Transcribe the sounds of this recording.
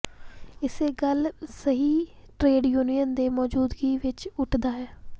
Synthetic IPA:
ɪseːɡəlsəɦiːʈɾeːɖjuːnijənd̪eːmɔːd͡ʒuːd̪ɡiːʋɪt͡ʃʊʈʰd̪aːɦɛː

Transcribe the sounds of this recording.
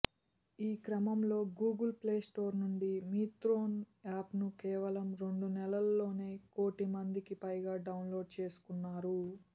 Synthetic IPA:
iːkɾɐmɐmlo̞ːɡuːɡɐlple̞ːsʈo̞ːɾnuɳɖimiːt̪ɾo̞ːn | aːpnukɛːʋɐlɐmɾe̞ɳɖunɛlɐlːo̞ːne̞ːko̞ːʈimɐnd̪ikipɐjɡaːɖɐwnlo̞ːɖ̚t͡ʃe̞ːsu̥kunːaːɾu

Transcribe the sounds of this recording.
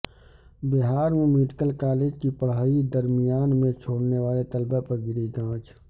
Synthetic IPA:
bɪɦaːɾmẽmɪʈkəlkaːleːd͡ʒkipəɽ̤ɦaːid̪əɾmijaːnmẽt͡ʃʰoːɽneʋaːlet̪əlbapəɾɡɪɾiɡãːt͡ʃ

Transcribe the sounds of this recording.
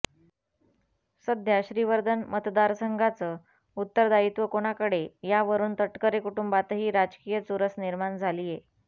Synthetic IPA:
səd̪ʱjaɕɾiʋəɾd̪ʱənmət̪d̪aɾsəŋɡʱat͡səː | ut̪ːəɾd̪ait̪ʋəkoɽ̃akəɽejaʋəɾuːnt̪əʈkəɾekuʈumbat̪əɦiːɾad͡ʑkijət͡suɾəsniɾmand͡zʱalije

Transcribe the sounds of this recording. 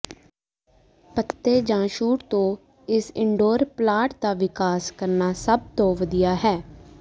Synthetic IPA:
pət̪ːeːd͡ʒãːʃuːʈt̪õː | ɪsɪɳɖoːɾplaːʈd̪aːʋɪkaːskəɾnaːsəb̚t̪õːʋəd̪ijaːɦɛː

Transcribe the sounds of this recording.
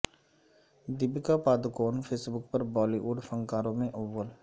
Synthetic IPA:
d̪ɪbkapaːd̪koːnfʰeːsbʊkpɐɾbɔːliʔuːɖfə̃ŋkaːɾõmẽʔʊʋːəl

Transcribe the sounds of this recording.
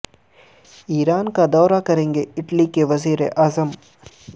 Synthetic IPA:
iːɾaːnkad̪ɔːɾakɐɾẽːŋɡeɪʈlikeʋɐziːɾeʔaːzəm

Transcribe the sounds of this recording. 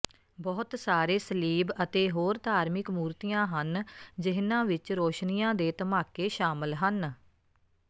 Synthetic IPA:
bɔːt̪saːɾeːsəliːbət̪eːɦoːɾd̪ʱaːɾmɪkmuːɾt̪ijãːɦənd͡ʒɪɦnãːʋɪt͡ʃɾoːʃnijãːd̪eːt̪əmaːkeːʃaːməlɦən

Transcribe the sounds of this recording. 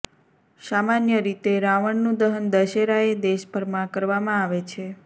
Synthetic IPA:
samanjəɾit̪eɾaʋəɳnũd̪əɦənd̪əʃeɾaed̪eʃbəɾmãkəɾʋamãaʋet͡ʃʰe

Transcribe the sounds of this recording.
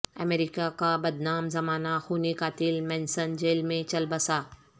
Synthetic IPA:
ɐ̰meːɾɪkakabɐd̪naːmzɐmaːnaxuːnikaːt̪ɪlmɛ̃ːnsənd͡ʒeːlmẽt͡ʃɐlbɐsaː

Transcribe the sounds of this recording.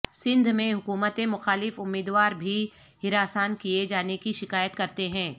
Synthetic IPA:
sɪ̃nd̪ʱmẽɦʊkuːmət̪ẽmʊxaːlɪfʊmːiːd̪waːɾbʱi | ɦɪɾaːsaːnkied͡ʒaːnekiʃɪkaːjət̪kɐɾt̪eɦɛ̃ː

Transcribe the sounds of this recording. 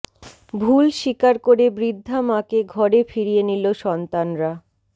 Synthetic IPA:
bʱulʃikaɾkoɾebɾid̪ʱːamãkeɡʱɔɾefiɾijeniloʃɔnt̪anɾa

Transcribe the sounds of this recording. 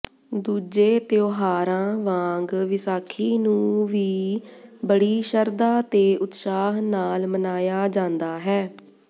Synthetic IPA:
d̪uːd͡ʒeːt̪joːɦaːɾãːʋãːŋɡʋɪsaːkʰiːnũːʋiːbəɽiːʃəɾd̪aːt̪eːʔʊt̪ʃaːɦnaːlmənaːjaːd͡ʒãːnd̪aːɦɛː

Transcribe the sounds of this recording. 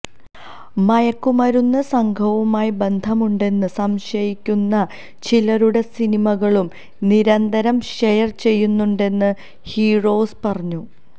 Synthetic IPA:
mɐjɐkːumɐɾunːɐsɐŋɡʰʱɐʋumaːjibe̞nd̪ʱɐmuɳɖe̞nːɨsɐmʂɐjikʲːunːɐ | t͡ɕilɐɾuɽe̞sinimɐɣɐɭum | niɾɐnd̪ɐɾɐmʂejɐrt͡ɕe̞jːunːuɳɖe̞nːɨ | hiːro̞ːspɐrɐɲːu

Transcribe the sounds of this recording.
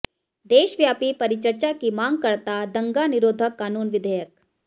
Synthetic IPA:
d̪eːʃʋjaːpipɐɾɪt͡ʃəɾt͡ʃakimãːŋɡ̚kɐɾt̪ad̪ɐ̃ŋɡanɪɾoːd̪ʱəkːaːnuːnʋɪd̪ʱəjək̚

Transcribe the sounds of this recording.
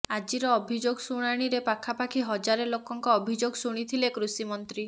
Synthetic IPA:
ad͡ʒiɾɔːbʱid͡ʒoɡɔsuɽ̃aɽ̃iɾepakʰapakʰiɦɔd͡ʒaɾelokɔŋkɔːbʱid͡ʒoɡsuɽ̃it̪ʰilekɾusimɔnt̪ɾi

